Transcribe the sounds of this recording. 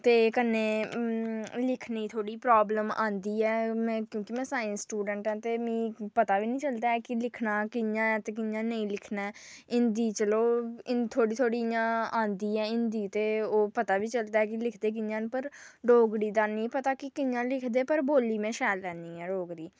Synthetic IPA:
t̪eːkənẽː | lɪkʰniːt̪ʰoːɽiːpɾaːbləmã̰ːnd̪iːɛːmɛ̃ːkjõːkimɛ̃ːsãːĩːsʈuːɖə̃ɳʈɛ̃ːt̪eːmĩːpət̪aːʋiːnĩːt͡ʃəld̪aːɛːkɪlɪkʰnãːkɪjãːɛ̃ːt̪eːk̬ɪjãːnəĩːlɪkʰnɛːɪnd̪iːt͡ʃəloːɪnt̪ʰoːɽiːt̪ʰoːɽijãːãːnd̪iːɛːɪnd̪iːt̪eːoːpət̪aːʋiːt͡ʃəld̪aːɛːkɪlɪkʰd̪eːk̬ɪjãːnpəɾɖoːɡɽiːd̪aːnĩːpət̪aːkɪkɪjãːlɪkʰd̪eːpəɾboːliːmẽːʃɛːlːɛ̃ːnd̪iːɛːɖoːɡɽiː

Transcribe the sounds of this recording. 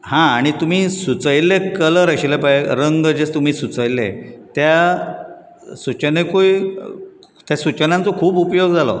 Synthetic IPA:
hãːɽ̃it̪um̤iːsut͡səjlːekələɾəɕilepajeɾəŋɡəd͡ʑest̪um̤iːsut͡səjlḛt̪ja | sut͡ɕənekoj | t̪jasut͡ɕənãnt͡sɔkʰuːpupjoɡd͡zalɔ̰

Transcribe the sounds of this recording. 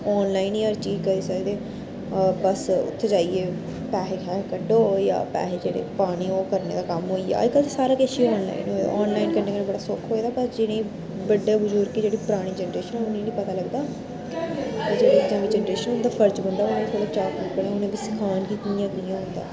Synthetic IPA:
ɔːnlaːinjaːɾt͡ʃiːd͡ʒkəɾiːsəd̪eː | bəsʊ̰t̪ʰːeːd͡ʒaːiːeː | pɛːɦeːkʰɛːkəɖoːja̰ːpɛ̰ːɦeːd͡ʒeːɽḛːpaːɽ̃iːoːkəɾneːd̪aːkəmɦoːiːja̰ːɪkːət̪esaːɾaːkeːʃiːɔːnla̰ːinɦoːa̰ːɔːnlaːinkənːeːkənẽːbəɽaːsʊkʰːɦoːd̪aːbəsd͡ʒɪnẽːĩː | bəɖːeːbʊd͡ʒuːɾkid͡ʒeːɽiːpəɾaːɽ̃iːd͡ʒɛːnəɾeːʃənɛ̃ʊnĩːnĩːpət̪aːləɡd̪aː | d͡ʒeːɽeːd͡ʒãːʋiːd͡ʒɛːnɾeːʃənõnd̪aːpʰəɾd͡ʒbənd̪aːonẽːit̪ʰoːɽaːt͡ʃaːkiːkəɽẽːonẽːʋiːsɪ̥kʰaːnkiːt̪nijãːɡijãːɦʊ̃nd̪a̰ː

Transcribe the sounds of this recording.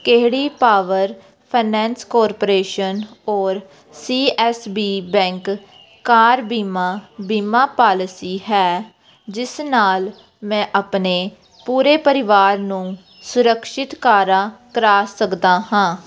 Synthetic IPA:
keɦɽiːpaːʋəɾ | pʰaːnɛ̃ːnskɔːɾpoɾeːʃənɔːɾ | siːɛːsbiːbɛ̃ːŋkː | aːɾbiːmaːbiːmaːpaːlɪsiːɦɛː | d͡ʒɪsnaːl | mɛ̃ːʔapneː | puːɾeːpəɾɪʋaːɾnũː | sʊɾəkʃɪt̪kaːɾãːkəɾaːsəkd̪aːɦãː

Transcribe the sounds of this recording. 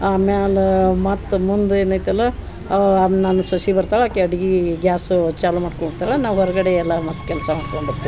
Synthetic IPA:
aːmealɐmɐt̪ːmund̪eːnaːjt̪ɐlːɐ | aːnaːnusʋɐsibɐɾt̪aːɭaːkːeɐɽiɡiɡjaːst͡ʃaːlumaːɖkoɳɖɾt̪ːaɭɐnaːʋɦɔɾɐɡɐɽeɛlːɐmɐt̪ːkɛlsɐmaːɖkoɳɖiɾt̪ːi

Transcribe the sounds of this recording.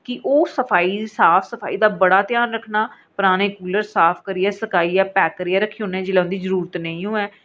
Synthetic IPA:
kɪʔoːsəpʰaːiːsaːpʰsəpʰa̰ːiːd̪aːbəɽaːt̪ɪjaːnɾəkʰnaː | pʊɾaːneːkuːləɾsaːpʰkəɾiɛːsəkaːiːɛːpɛːkəɾiːɛːɾəkʰːeõːnɛ̃ːd͡ʒɪlɛːʊ̃nd̪iːzəɾuːɾət̪nəĩːɦoːɛː

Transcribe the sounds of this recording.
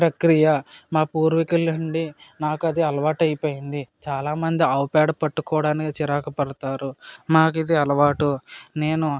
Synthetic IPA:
pɾɐkɾijɐmaːpuːɾʋɐkɐlɐɳɖinaːkɐd̪iɐlɐʋaːʈɐjipoːjind̪it͡ʃaːlaːmɐnd̪iɐwpaːɖɐpɐʈːukɔːɽaːnikit͡ʃiɾaːkɐpɐɽɐt̪aːɾumaːk̬id̪iɐlɐʋaːʈune̞ːnu

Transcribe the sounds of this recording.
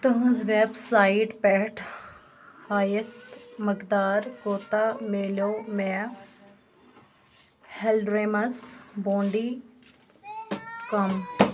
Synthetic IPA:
t̪ɐɦʊ̃zʋebsaːiʈpɛʈʰ | haːjət̪mɐkd̪aːɾkoːt̪ameːlomɛ | helɖɾeːmɐsboːɳɖi | kɐm

